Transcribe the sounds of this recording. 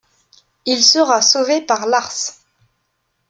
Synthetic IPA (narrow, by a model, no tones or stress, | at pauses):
ilsəʁasovepaʁlaʁs